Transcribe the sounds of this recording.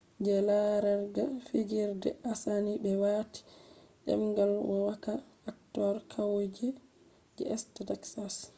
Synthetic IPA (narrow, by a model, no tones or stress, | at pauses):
d͡ʒɛlaɾaɾɡafid͡ʒiɾdɛ̰ʔasanibɛwati̥ | ɗɛ̰mɡalwɔwakaː | k̚tɔɾkʰawod͡ʒɛ | d͡ʒɛɛstadaksas